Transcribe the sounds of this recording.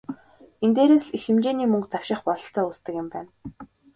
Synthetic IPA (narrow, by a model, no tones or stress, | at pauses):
ent̪eːɾeːsɮixɘ̆mt͡ɕeːniːmɵŋkt͡sawʃɪ̆χpɔɮɞ̆ɬt͡sɔːust̪ə̆kjɪ̆mpæːn